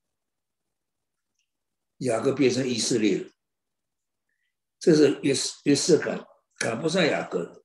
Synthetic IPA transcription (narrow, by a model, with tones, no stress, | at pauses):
ja˨˩kɤ˥˧p̬jɛ˥˩nʈ͡ʂʰɤ˧˥ŋi˨˩sɹ̩˥˧ljɛ̰˥˩˨ | ʈ͡ʂɤ˥˧ʂɻ̩˥˩˧ɛ˧˥s̩˥˩˨ | kʰa˨˩pu˥s̬a˥˩ja̰˨˩kɤ˥